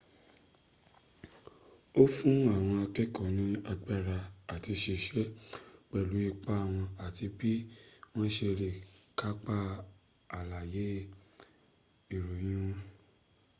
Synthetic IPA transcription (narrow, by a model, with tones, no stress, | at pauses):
o˦fũ˦a˦˨w̃ɔ̃˧a˧kɛ˦kɔ̃˦˨nĩ˦a˧ɡ͡ba˦˨ɾa˧a˨ti˧ʃe˧ʃɛ˦k͡pɛ˨lu˨˦i˦˧k͡pa˦a˦˨w̃ɔ̃˧a˨ti˧bi˦w̃ɔ̃˦ʃe˧ɾe˨ka˦k͡pa˦ | a˨la˨je˨˦ | i˦˨ɾo˨j̃ĩ˦w̃ɔ̃˦